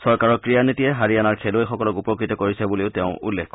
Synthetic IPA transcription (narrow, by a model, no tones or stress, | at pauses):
sɔɹkaɹɔkɹijanitijɛɦaɹianaɹkʰelojxɔkɔlɔkupɔkɹitɔkoɹisɛbuleʊteʊ̃ʔṵlːekʰkɔ